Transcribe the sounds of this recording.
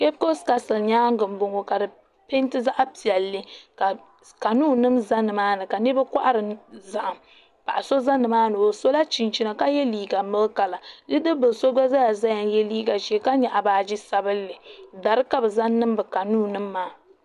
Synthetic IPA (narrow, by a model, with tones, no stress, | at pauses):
ke˦b̚ko˦ska˨sɨ˨lɲaː˦ŋ˦ɡɨ˨m˦bo˨ŋo˨ka˨dɨ˨ | pe˦ntɨ˦za˦ʔa˦pi˨ɛ˨lːɨ˦ka˨ | ka˨nuː˦nɨ˦mza˦nɨ˨maː˦nɨ˨ka˨nɛ˦ba˦ka˦ʔa˦ɾɨ˨za˨ʔa˨m | pa˨ʔa˨so˦za˦nɨ˨maː˦nɨ˨o˨so˦la˦t͡ʃi˨nt͡ʃi˨na˨ka˦jɛ˦liː˨ɡa˨mɨ˦lka˨la˨lɨ˦dɨ˦bɨ˨lso˦ɡa˦za˦ja˨za˦ja˨n˦jɛ˦liː˦ɡa˨ʒɛ˨˦ka˦ɲɛ˨ʔa˨baː˨d͡ʒi˦sa˨bɨ˦lːɨ˨da˨ɾɨ˦ka˦bɨ˨za˦nːɨ˦mbɨ˨ka˨nuː˦nɨ˦mːaː˦